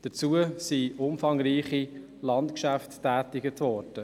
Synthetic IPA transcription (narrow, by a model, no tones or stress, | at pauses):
d̥ət͡suəsiʊmfɑŋriːχi | lɑntkʃæftːæːtɪɡətʰvɔɾd̥ə